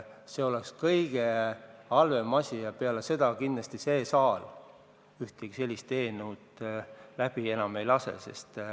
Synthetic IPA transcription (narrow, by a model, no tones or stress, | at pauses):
se̞o̞lekskɤjɡ̥e̞ɑlve̞mɑsʲijɑpeɑlese̞d̪ɑkind̪̥lɑst̪ise̞ːsɑːl | yht̪eɡ̥ise̞lʲːist̪eːnut̪læb̥ie̞nɑme̞jlɑsḛse̞̰st̪